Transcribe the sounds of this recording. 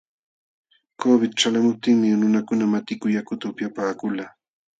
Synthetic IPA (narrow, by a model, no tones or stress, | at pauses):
kobɪt̪̚ʈ͡ʂalamʊp̚t̪ɪŋmɪnʊnakʊnamat̪ɪkʊjakʊt̪aʊpjapaːkʊlaː